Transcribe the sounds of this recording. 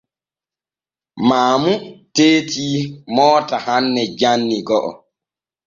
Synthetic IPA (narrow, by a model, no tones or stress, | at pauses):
maːmuteːtʰiːmɔːtahanːɛd͡ʒanːiɡɔʔɔ̰